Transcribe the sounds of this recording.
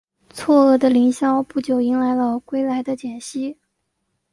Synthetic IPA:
t͡sʰwɔ˥˩ɤ˥˩d̪ə˩li˧˥ŋɕjɑ˥ʊpu˥˩t͡ɕjo˨˩ʊi˧˥ŋla˧˥ɪlə˧kwe˥ɪla˧˥ɪd̪ə˧t͡ɕjɛ˨˩nɕi˥

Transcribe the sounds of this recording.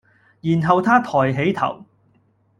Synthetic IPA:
jiː˨˩nɦɐ˨˧wt̪ʰaː˥t̪ʰɔː˨˩jɦe˨˥jt̪ʰɐ̰˨˩w

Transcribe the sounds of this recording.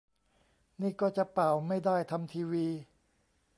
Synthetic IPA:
niː˥˩kɔː˥˩t͡ɕa˨˩ʔpa˨˩wma˥˩jdaː˥˩jt̪ʰa˧mt̪ʰiː˧wiː˧

